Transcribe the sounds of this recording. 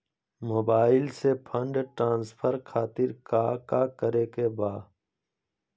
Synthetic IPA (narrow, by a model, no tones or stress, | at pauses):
moːbaːɪlsepʰə̃ɳɖʈɾãːnspʰəɾkʰaːt̪ɪɾkaːkaːkəɾeːkebaː